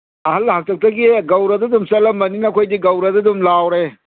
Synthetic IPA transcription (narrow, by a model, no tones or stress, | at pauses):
ɐhɐlːhak̚tʰɐk̚tɐɡiɡɐwɾɐdɐdumsɐlɐmːɐninɐkʰojdiɡɐwɾɐdɐdumlawɾe